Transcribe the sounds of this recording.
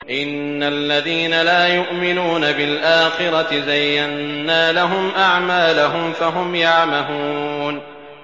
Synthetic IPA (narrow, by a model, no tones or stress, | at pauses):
ʔɪnːalːaðiːnalaːjʊʔmɪnuːnabɪlʔaːxɪɾˤɑt̪ɪzajːanːaːlaɦʊmʔaʕmaːlaɦʊmfaɦʊmjaʕmahun